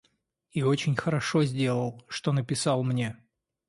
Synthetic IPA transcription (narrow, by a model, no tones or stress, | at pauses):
io̞t͡ɕɪnʲxəɾɐʂozʲdʲelˠəlˠʂt̪o̞nəpʲɪsɑlˠmnʲe̞